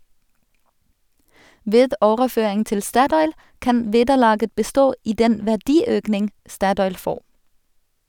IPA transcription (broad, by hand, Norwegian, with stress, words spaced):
ˈʋeːd ˈoːʁəˌføːɪŋ ˈtɪl ˈstɑtɔʏl ˈkɑn ˈʋeːdəˌlɑːɡə bəˈstoː ˈiː ˈdɛn ʋæʁˈdiːˌøːknɪŋ ˈstɑtɔʏl ˈfoːʁ